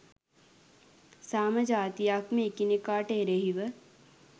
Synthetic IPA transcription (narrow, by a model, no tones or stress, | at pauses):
saːmɐd͡ʒaːt̪ijakmekinekaːʈeɾeɦiʋə